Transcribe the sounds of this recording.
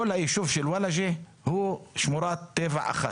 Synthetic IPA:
olhaʔiʃuːvʃɪlwalaʒe | huːʃmuɾˤɑːt̪ːeːva̰ʕʔa̰xa̰

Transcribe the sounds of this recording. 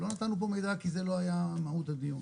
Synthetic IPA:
lo̞nat̪anːup̬o̞me̞jd̪akize̞lo̞ajamaut̪ad̪miun

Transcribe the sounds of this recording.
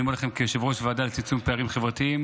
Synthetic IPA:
imolaχemkeʃevʁoʃvead̪alet͡sit͡sumpeaʁimχevʁat̪iim

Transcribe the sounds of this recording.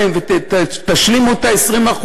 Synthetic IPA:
emvet̪t̪aʃlimut̪aesʁimaχu

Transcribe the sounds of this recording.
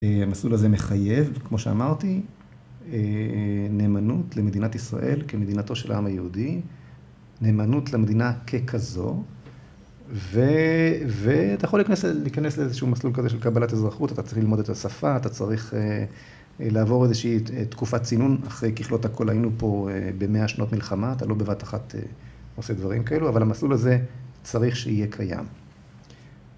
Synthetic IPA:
eamaslulazemeχaje̞vkmo̞ʃea̰maʁt̪i | ene̞ːmanutle̞me̞d̪inat̪isʁa̰ʔe̞lkeme̞d̪inato̞ʃela̰ʔamajehudi | neːmanutlemed̪inakʰe̞kʰazo̞̰ | veveat̪ajeχolikanesleliːkanesleezeʃuːmaslulkazeʃelkabalat̪ezʁaχutatat͡saʁiχlilmo̞d̪et̪ʰasafaat̪at͡saʁiχe | laːvo̞ʁe̞zeʃiːt̪kufat͡sinunaχʁe̞jkiχlo̞thakʰo̞lhajinupo̞ebe̞meaʃno̞tmilχamaːt̪alo̞bevataχatḛose̞d̪vaʁimkae̞luavalamaslulaze̞t͡saʁiχʃeije̞kʰaja̰m

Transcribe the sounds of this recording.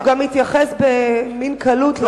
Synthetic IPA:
ɡamhit̪jaχesbeminkʰɐlut̪l

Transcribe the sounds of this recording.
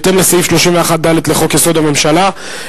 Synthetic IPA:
t̪enlesaifʃloʃimveaχat̚d̪alet̪leχo̞kjeso̞d̪ame̞mʃala

